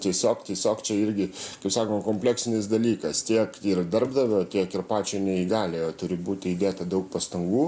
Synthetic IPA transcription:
t̪ʲiɛsʲoːkt̪ʲiɛsʲoːkt͡ʃʲɛɪɾʲɡʲɪkɐɪpsɑːkoːmkoːmʲpʲlʲɛksʲɪnʲɪsd̪ɐlʲiːkɐst̪ʲiɛkɪrd̪ɐrbd̪ɐʋʲot̪ʲiɛkɪrpɑːt͡ʃʲɛɪnʲɛiɡɑːlʲejoːt̪ʊɾʲɪbuːt̪ʲɪiːd̪ʲeːt̪ɐd̪ɐʊk̚pɐst̪ɐŋɡuː

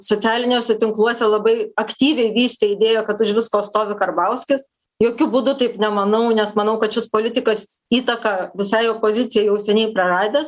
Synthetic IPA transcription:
soːt͡s̪ʲæːlʲɪnʲoːsʲɛt̪ʲɪŋklˠuɔsʲɛlˠɐbɐɪɐkt̪ʲiːʋʲɛɪʋʲiːsʲt̪ʲɛɪd̪ʲeːjokɐt̪ʊʃʲʋʲɪskoːtst̪oːʋʲɪkɐɾbɐʊsʲkʲɪs | joːkʲʊbuːd̪ʊt̪ɐɪpnʲɛmɐnɐʊnʲɛsmɐnɐʊkɐt̪ʃʲɪspoːlʲɪt̪ʲɪkɐsiːt̪ɐkɐʋʲɪsɐɪopoːzʲɪt͡sʲɪjɛɪjɛʊsʲɛnʲɛɪpɾɐrɑːd̪ʲeːs

